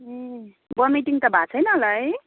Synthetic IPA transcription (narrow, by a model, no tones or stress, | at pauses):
bʌmiʈiŋt̪ʌbʱat͡sʰʌjnʌːlaj